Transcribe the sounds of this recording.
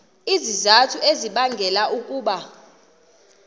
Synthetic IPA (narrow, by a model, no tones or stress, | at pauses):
izizatʰueziɓaŋɡʱɛlaʔukʼuːɓa